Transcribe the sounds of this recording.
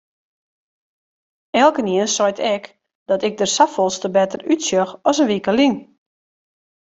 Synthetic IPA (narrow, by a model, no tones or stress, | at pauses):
ɛlˠkəniənsɔjtɛk | d̥ɔtɪk̚dəsafɔlˠstəbɛtərytsjøxɔsənʋikəliŋ